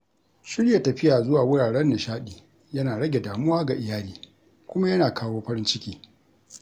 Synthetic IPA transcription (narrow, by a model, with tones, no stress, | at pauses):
ʃɪ˦ɽja˨tɐ˨ɸɪ˦jaː˨zʊ˦waː˨wʊ˦ɽaː˨ɽɛ˦nːa˨ʃaː˦ɗiː˨ | jɐ˦naː˨ɽɐ˦ɡʲe˨daː˨mʊ˦waː˦ɡa˨ʔɪ˨jaː˦liː˨ | kʷʊ˦ma˦jɐ˦naː˨kaː˦woː˦ɸɐ˦ɾɪ˦nt͡ʃɪ˦kʲiː˦